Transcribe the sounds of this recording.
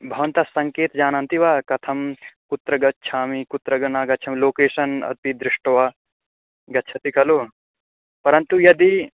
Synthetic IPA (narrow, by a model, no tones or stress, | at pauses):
bʱɐʋɐ̃nt̪asɐ̃ŋkeːt̪d͡ʒaːnant̪iʋaːkɐt̪ʰɐmkut̪ɾɐɡɐtːt͡ʃʰaːmikut̪ɾɐɡɐnaːɡɐt͡ʃʰɐmloːkeːʃɐnɐ̰t̪id̪ɾɪʂʈɐʋaː | ɡɐːt͡ʃʰɐt̪ʰikɐloː | pɐɾɐ̃nt̪ujɐd̪i